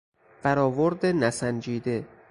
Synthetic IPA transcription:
fæɾɒːvoɾd̪enæsænd͡ʒiːd̪e̞

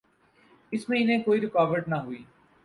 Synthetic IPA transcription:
ɪsmẽɪn̤ẽkoːiɾɪkaːʋəɾʈnɐɦuiː

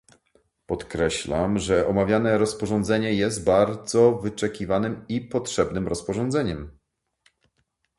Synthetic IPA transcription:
pɔt̪kɾɛɕla̰mʐɛʔɔmavʲjanɛɾɔspɔʐɔnd̪zɛɲɛjɛst̪̚baɾd̪zɔvɘt͡ʂɛkʲivanɘmipɔtʂɛbnɘmɾɔspɔʐɔnd̪zɛɲɛm

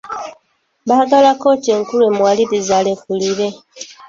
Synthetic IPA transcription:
βaːɡalako̞ceːŋkule̞mwalidizalekuliɾe̞

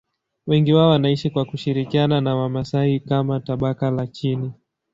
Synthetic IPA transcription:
wɛŋɡiwaɔwanaiʃikwakuʃiɾikiananawamasahikamataɓakalat͡ʃini

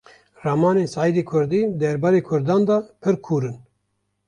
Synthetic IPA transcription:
rɑmɑːneːnsɑːid̪eːkʰʊɾd̪iːd̪ɛɾbɑːɾeːkʰʊɾd̪ɑːnd̪ɑːpʰɨɾkʰuːɾɨn

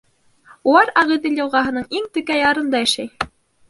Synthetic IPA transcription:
ulˠɑɾɑʁĭd̪ilʲjɑ̆lˠʁɑɦɤ̆nɤɴiŋt̪ɵ̆kæjɑɾɤ̆nd̪ɑæ̆ʃæj

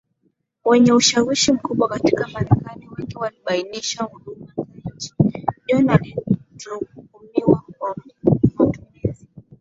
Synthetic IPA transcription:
wɛɲɛuʃawiʃim̩kuɓwakati̥kamaɾɛkaniwɛŋɡiwaliɓainiʃahuɗumazaɲd͡ʒi̥ndiɔnalitukukumiwakwam̩iiwatumizi

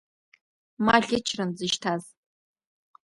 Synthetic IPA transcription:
maɮʲɪt͡ʃʰrɨnzɨʃtʰaz

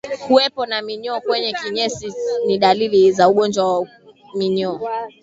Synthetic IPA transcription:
kuwɛpɔnamiɲɔːkwɛɲɛkiɲɛsiniɗalilizauɠɔnd͡ʒwawa | miɲɔ

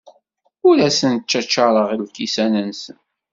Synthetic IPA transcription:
ʊɾæsənt͡ʃːæt͡ʃːɑɾˤəʁilkisænənsən

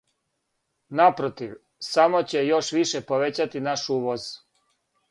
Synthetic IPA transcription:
napɾot̪iʋ | samo̞t͡ɕe̞jo̞ʃʋiʃepoʋet͡ɕat̪inaʃuːʋoz̥

